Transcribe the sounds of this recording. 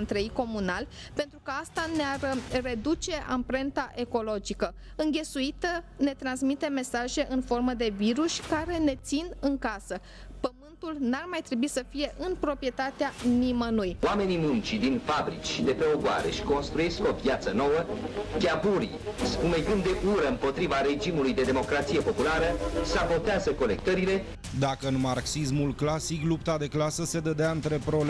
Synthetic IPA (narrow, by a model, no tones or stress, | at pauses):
nt̪ɾəijko̞munalʲ | pe̞nt̪ɾukəast̪anearre̞d̪ut͡ʃe̞ʔa̰mpɾe̞nt̪aʔe̞ko̞lo̞d͡ʒikə | ɨŋɡʲe̞suit̪əne̞t̪ɾansmit̪e̞me̞saʒe̞ʔɨnfo̞rməd̪e̞viɾuʃʲkaɾe̞ne̞t̪sinɨŋkasə | pəmɨnt̪ulnarmajt̪ɾe̞buisəfije̞ʔɨnpɾo̞pɾije̞t̪at̪eanimənujwame̞nimunt͡ʃid̪infabɾit͡ʃʲʃid̪e̞pɾeoɡoa̰ɾe̞̰ʃi̥ko̞nst̪ɾuje̞sko̞vjat̪səno̞wəɡʲabuɾḭspumeɡɨnd̪d̪e̞ʔuɾəɨmpo̞t̪ɾivaɾe̞d͡ʒimulujd̪e̞d̪emo̞kɾat̪sije̞po̞pulaɾəsabo̞t̪eazəko̞le̞k̚t̪əɾile̞ | d̪akəɨnmarksismulklasiklupt̪ad̪e̞klasəse̞d̪əd̪eaɨnt̪ɾe̞pɾo̞l